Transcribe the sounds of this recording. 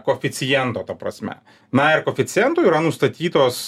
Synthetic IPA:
koːfʲɪtsʲɪjɛnt̪oːt̪ɐpɾɐ̰sʲmʲɛ̰ | nɐɪɾkoːfʲɪt̪sʲɪjɛnt̪uːiːɾɐnʊst̪ɐt̪ʲiːt̪oːs

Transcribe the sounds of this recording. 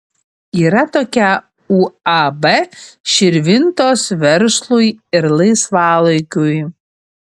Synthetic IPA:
iːɾɐt̪oːkʲɛ | uːabɛʃʲɪɾʲʋʲɪnt̪oːsʋʲɛɾslˠujɪɾlˠɐɪsʋɑːlˠɐjkʲuj

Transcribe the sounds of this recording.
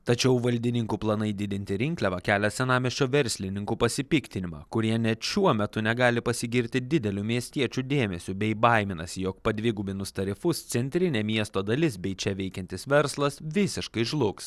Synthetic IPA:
t̪ɐt͡ʃʲɛʊʋɐlʲd̪ʲɪnʲɪŋkuːplˠɐnɐɪd̪ʲɪd̪ʲɪnʲt̪ʲɪɾʲɪŋʲklʲɛʋɐkʲæːlʲɛsʲɛnɑːmʲeʃʲt͡ʃʲoːʋʲɛɾʲsʲlʲɪnʲɪŋkuːpɐsʲɪpʲɪːkt̪ʲɪnʲɪmɑ̰ːkʊɾʲiɛnʲɛt̪ʃʲuɔmʲɛt̪ʊnʲɛɡɑːlʲɪpɐsʲɪɡʲɪɾʲt̪ʲɪd̪ʲɪd̪ʲɛlʲuːmʲiɛsʲt̪ʲiɛt͡ʃʲud̪ʲeːmʲɛsʲubʲɛɪbɐˑɪmʲɪnɐsʲɪjoːk̚pɐd̪ʲʋʲɪɡubʲɪnʊst̪ɐɾʲɪfʊst̪sʲɛnʲt̪ʲɾʲɪnʲeːmʲiɛst̪oːd̪ɐlʲɪsbʲɛɪt͡ʃʲɛʋʲɛɪkʲɛnt̪ʲɪsʋʲɛɾslˠɐsʋʲɪsʲɪʃkɐɪʒlˠʊks

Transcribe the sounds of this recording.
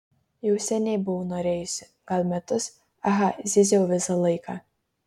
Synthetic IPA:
jɛʊsʲɛnʲɛɪbʊʋonoːɾʲeːjʊsʲɪ | ɡ̥ɐlʲˠmʲɛt̪ʊs | ɐɦɐzʲɪzʲɛʊʋʲɪsɐlˠɐɪkɑ

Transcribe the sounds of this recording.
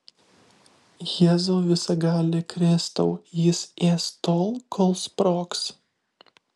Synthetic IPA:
jeːzoːʋʲɪsɐɡɑːlʲekɾʲɪst̪ɐʊjɪseːst̪oːlˠkʰɔːlˠspɾɔːks

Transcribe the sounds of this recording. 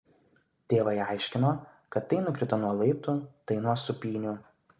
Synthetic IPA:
t̪ʲeːʋɐɪɐˑɪʃʲkʲɪnoː | kɐt̪ːɐɪnʊkʲɾʲɪt̪ɐnuɔlˠɐɪpt̪uːt̪ɐɪnuɔsʊpʲiːnʲu

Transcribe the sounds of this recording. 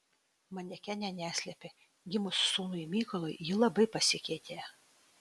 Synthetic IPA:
mɐnʲɛkʲænʲɛnʲæːsʲlʲɛpʲe | ɡʲɪmʊsːuːnʊɪmʲiːkɔlˠɔjjiːlˠɐbɐɪpɐsʲɪkʲɛɪt̪ʲeː

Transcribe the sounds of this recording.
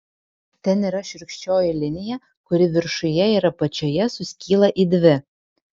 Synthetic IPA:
t̪ʲɛniːɾɐʃʲɪɾʲkʃʲt͡ʃʲoːjɪlʲɪnʲɪjɛ | kʊɾʲɪʋʲɪɾʃʊjɛiɾɐpɐt͡ʃʲojɛsʊsʲkʲiːlˠɐʔiːd̪ʲʋʲɪ

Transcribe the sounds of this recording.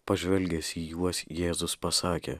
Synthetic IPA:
pɐʒʲʋʲɛlʲɡʲɛsʲiːjuɔsjeːzʊspɐsɑːkʲḛː

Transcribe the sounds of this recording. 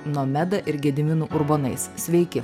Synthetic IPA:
nomʲæd̪ɐʔɪɾɡʲɛd̪ʲɪmʲɪnuːʔʊɾbonɐɪssʲʋʲɛɪkʲɪ

